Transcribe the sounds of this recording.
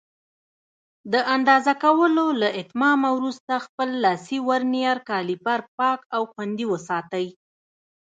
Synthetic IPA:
d̪əʔand̪ɑzakawəlolaʔɪt̪mɑmawɾust̪axpəlːɑsiwaɾnijɑɾkɑlipaɾpɑkawxwand̪iwəsɑt̪əj

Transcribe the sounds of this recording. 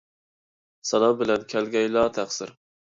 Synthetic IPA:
sɑnˠɑmbɪlɛnkʲʰælɡʲɛjlɑːt̪ʰæqsɪɾ

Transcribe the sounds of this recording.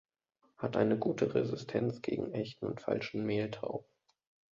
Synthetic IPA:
hatʔa̰ɪnəɡuːtʰəʁezɪstʰɛnt͡sɡ̥ḛːɡŋ̩ʔɛçtn̩ʊ̰ntfa̰lʃn̩meːltʰa̰ʊ

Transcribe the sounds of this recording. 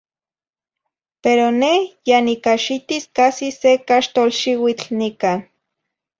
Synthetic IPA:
peɾonehjanikaʃit̪iskasisekaʃt̪olʃiwit͡ɬnikan

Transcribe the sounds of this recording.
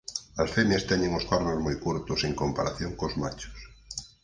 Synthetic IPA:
asfemjast̪ɛɲẽŋoskaɾnozmojkuɾt̪ʊseŋkompaɾaθjoŋkozmat͡ʃʊ̥s

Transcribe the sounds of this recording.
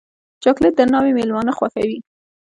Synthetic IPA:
t͡ʃɑklɪt̪̚d̪ənɑwemelmɑnəxwaxawi

